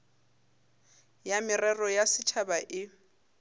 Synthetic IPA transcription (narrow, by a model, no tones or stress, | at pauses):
jamɪrɛrɔjasɪt͡ʃʰabaʔɪ